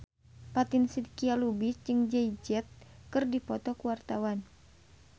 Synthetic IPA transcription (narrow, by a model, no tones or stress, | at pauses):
pat̪insidkialubisd͡ʒɨŋd͡ʒɛid͡ʒɛt̪̚kɨrdipɔt̪ɔkuwart̪awan